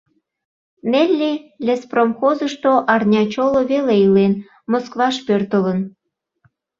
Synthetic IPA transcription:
nelʲːelʲespromxozəʃt̪oʔɑrnʲɑt͡ɕoloβeleilen | moskβɑʃpørt̪ələn

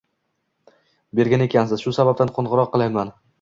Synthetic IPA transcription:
be̞ɾɡʲane̞kʲʰansɪzʃʊsabap̚t̪anqʰonʁɨɾɒqːɨlˠanman

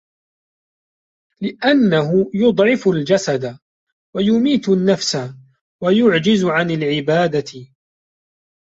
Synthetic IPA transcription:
lɪʔanːaɦʊjʊd̪ˤʕɪfʊld͡ʒasad̪a | wajʊmiːt̪nːafsa | wajʊʕd͡ʒɪzʊʕanalʕɪbaːd̪aɪ

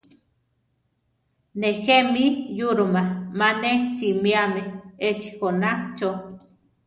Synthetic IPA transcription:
nexemijuɾumamanesimiameet͡ʃi̥konat͡ʃo

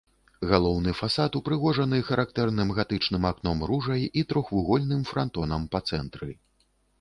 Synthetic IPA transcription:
ɣalˠɔwnɨfasat̪upɾɨɣɔʐɐnɨxɐɾʔak̚t̪ɛrnɨmɣat̪ɨt͡ʂnɨmaknɔmɾuʐɐjit̪ɾɔxvuɣɔlʲnɨmfɾant̪ɔnɐmpɐt̪sɛnt̪ɾɨ

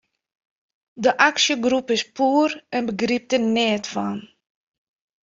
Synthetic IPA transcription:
dəʔaksjəɡrupɪspuːrɛnbəɡrip̚tənɪːtfan

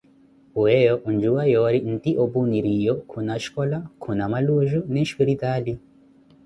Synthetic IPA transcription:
wɛjɔʔund͡ʒuwajɔɾin̩t̪iʔɔbuniɾijɔkʰunaʃkɔlakʰunamaluʒunɛʃkiɾitali

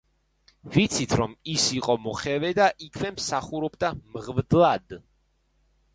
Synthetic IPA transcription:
vit̪sʰit̪ʰɾɔmisiqʼɔmɔχɛvɛd̪aʔikʰvɛmsaχuɾɔbd̪amʁvd̪lˠad̪

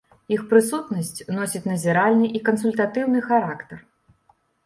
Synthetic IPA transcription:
ixpɾɨsut̪nɐsʲt͡sʲnɔsʲit͡sʲnɐzʲiɾalʲnɨʔikɐns̬ulʲt̪at̪ɨwnɨxaɾakt̪ɐr

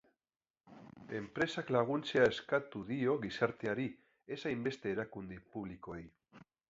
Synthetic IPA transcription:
e̞mpɾe̞saklaɣ̞unt͡se̞ae̞skat̪uðio̞ɣisaɾt̪eaɾi | e̞sajmbe̞st̪e̞ːɾakund̪ipuβ̞liko̞ej

